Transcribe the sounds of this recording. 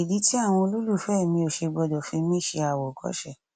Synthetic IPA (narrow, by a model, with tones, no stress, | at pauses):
i˨di˨˦ti˦a˦˨w̃ɔ̃˧o˧lo˦lu˦˨fɛ˦˨mĩ˧o˨ʃe˧ɡ͡bɔ˧dɔ˨fĩ˧˦mĩ˦ʃe˧a˨wɔ˨kʰɔ̰˦ʃɛ˦˨